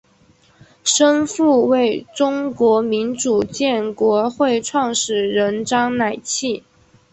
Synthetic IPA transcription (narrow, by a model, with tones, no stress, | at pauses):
ʂə˥nfu˥˧we˥˩ɪʈ͡ʂʊ˥ŋkwɔ˧˥mi˧˥nʈ͡ʂu˨˩t͡ɕjɛ˥˩nkwɔ˧˥xwe˥˧ɪʈ͡ʂʰwɑ˥˩ŋʂɻ̩˨˩ɻə˧˥nʈ͡ʂɑ˥ŋna˨˩ɪt͡ɕʰi˥˩